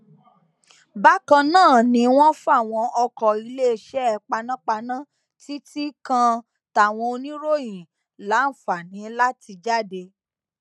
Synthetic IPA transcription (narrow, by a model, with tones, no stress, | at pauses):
ba˦kã˧nãː˦˨nĩ˨˧˦w̃ɔ̃˦fu˦a˦˨w̃ɔ̃˧ɔ˧kɔ˨i˧le˦˧ʃɛ˦ɛ˧k͡pa˧nã˦k͡pa˧nã˦ | ti˦ti˦kã˧ | ta˨w̃ɔ̃˧o˧nĩ˦ɾo˦jĩ˨ | la˨˦n̩˨fa˨nĩ˨˦la˦ti˧d͡ʒa˦de˧